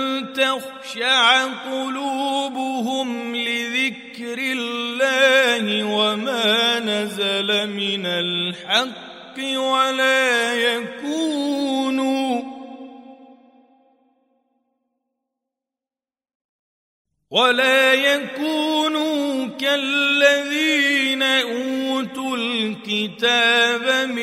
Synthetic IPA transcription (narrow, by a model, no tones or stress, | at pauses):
t̪ax | ʃaʕaqʊluːbʊɦʊmlɪðɪkɾɪlːaːhɪwamaːnazalamɪnalħɑqːɪwalaːjakuːnuː | walaːjakuːnuːkalːaðiːnaʔuːt̪ulkɪt̪aːbam